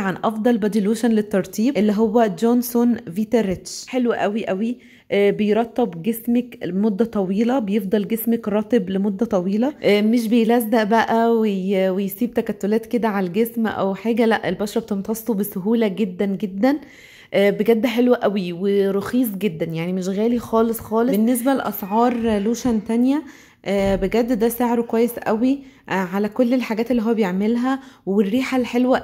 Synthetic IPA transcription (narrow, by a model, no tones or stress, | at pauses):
ʕanʔɑfd̪ˤɑlbæd̪iluːʃænlet̪ːɑɾˤt̪ˤiːbʔelːiɦowːæd͡ʒonsonviːt̪eɾet̪ʃħelwæʔæwiʔæwi | ʔbejɾˤɑt̪ːɑbɡesmækmod̪ːæt̪ˤɑwiːlɑbejefd̪ˤɑlɡesmækɾˤɑːt̪eblemod̪ːæt̪ˤɑwiːlɑʔːmeʃ̬bejlæzːæʔbæʔæwejwejsiːb̚t̪ækæt̪ːolæːt̪ked̪æʕalælɡesmʔæ̰wħeːɡælæʔːelbɑʃɾˤɑbet̪ent̪ɑst̪obesoɦuːlæɡed̪ːænɡed̪ːæn | ʔæːbeɡæd̪ːħelwæʔæwiweɾoxiːs̬ˤɡed̪ːænjaʕnimeʃɣæːlixɑːlesˤxɑːlenːes̬bælʔɑsʕɑːɾˤluːʃænt̪ænjæ | ʔæːbeɡæd̪ːd̪æseʕɾokwæjːesʔæwiʔʕalækolːelħaɡæːt̪elːiɦowːæbejeʕmelɦæwerːiːħalħelwæ